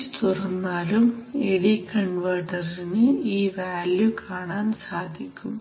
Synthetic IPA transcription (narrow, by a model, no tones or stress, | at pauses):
t̪urɐnːaːlumeɽikɐɳʋɐːʈːɐrinɨiːʋaːljukaːɳaːnsaːd̪ʱikʲːum